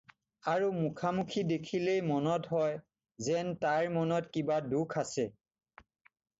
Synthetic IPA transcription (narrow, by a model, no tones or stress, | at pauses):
aɹumukʰamukʰidekʰilejmɔnɔtɦɔj | zɛntaɹmɔnɔtkibadukʰasɛ